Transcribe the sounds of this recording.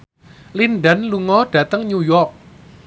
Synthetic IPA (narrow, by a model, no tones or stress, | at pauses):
linɖənluŋɔɖ̥ä̤t̪əŋɲujɔrk̚